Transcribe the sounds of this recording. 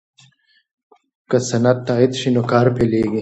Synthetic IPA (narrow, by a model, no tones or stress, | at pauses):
kɐsɐnɐt̪ːaːit̪ɕinokaːɾpeleːɡi